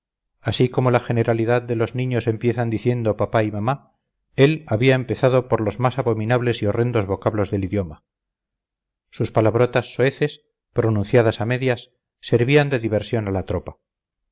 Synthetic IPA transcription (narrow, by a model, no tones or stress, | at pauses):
asiko̞mo̞laxe̞ne̞ɾaliðaðd̪e̞lo̞znĩɲo̞se̞mpje̞θand̪iθje̞nd̪o̞papaimama | e̞laβiaempe̞θaðo̞po̞ɾlo̞zmasaβo̞minaβle̞sio̞re̞nd̪o̞zβo̞kaβlo̞zðe̞liðjo̞ma | suspalaβ̞ɾo̞t̪asːo̞e̞θe̞s | pɾo̞nũn̟θjaðasame̞ðjasː | e̞ɾβiand̪e̞ðiβ̞e̞ɾsjo̞nalat̪ɾo̞pa